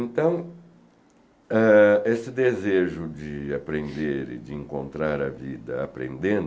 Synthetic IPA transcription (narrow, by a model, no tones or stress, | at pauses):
ẽnt̪ɐ̃w̃ | ɛesɪd̪ezeʒʊd͡ʒɪapɾẽnd̪eɾɪ̰d͡ʒɪẽŋkõ̰nt̪ɾaɾɐvid̪ɐapɾḛ̃nd̪ẽnd̪